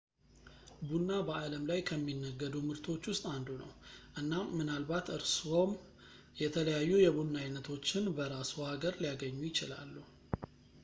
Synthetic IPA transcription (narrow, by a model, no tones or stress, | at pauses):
bunːabəaləmlajkʰəmːinːəɡːəd̪umɨɾt̪ʰo̞t͡ʃːwʊst̪ʼand̪unə̰wʔɨnːaːɨnalbat̪ɨɾso̞m | jɛt̪ʰələjajːujɛbunːajnːət̪ʰo̞t͡ʃːɪnbəɾasuhaɡəɾlijaɡəɲːujɪt͡ʃɪla̰lːuh